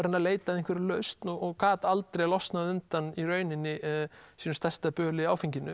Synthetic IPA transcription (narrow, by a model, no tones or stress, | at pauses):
ɾɪnːaleːjt̪aðinkvɛɾɪlœɥst̪nɔɣɔɣkaːt̪alt̪ɾejlɔst̪naðʏnt̪aniɾœːɥnɪnːɪsinʏ̥st̪ɛst̪apœːlɪiaːwfiɲcɪnːʏ